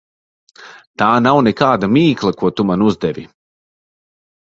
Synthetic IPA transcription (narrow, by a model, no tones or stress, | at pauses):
t̪aːnawnɛkaːd̪amiːklˠakuɔt̪umanuzd̪ɛvḭ